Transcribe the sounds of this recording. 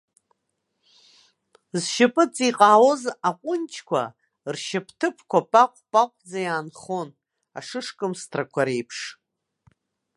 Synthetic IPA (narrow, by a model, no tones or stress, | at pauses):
zʃɪpʼɨt͡sʼiqʼaːwo̞zaqʷʼʊnt͡ʃʰkʷʰa̰ | rʃɪpʰtʰɨpʰkʷʰapʼaqʷʼpʼaqʷʼd͡zajaːnχo̞n | a̰ʂɨʂkʼɨmstʰrakʷʰaɾejpʰʂ